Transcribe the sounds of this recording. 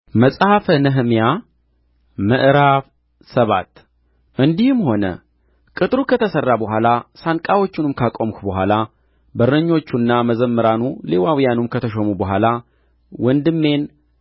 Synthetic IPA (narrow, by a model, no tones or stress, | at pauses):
məsʼhafənəɦmja | məʔɨɾaf | səβa̰t̪ | ʔɨnd̪ihɨmho̞nə̰ | kʼɨt̪ʼɾukʰət̪ʰəsərːabəɦʷalasankʼawo̞t͡ʃːɪnɨmkʰakʼomkubəɦʷa̰la | bəɾəɲːo̞t͡ʃːunːaməzəmːəɾanule̞wawijanumkʰət̪ʰəʃomubəɦʷala | wɔnd̪ɨmːe̞n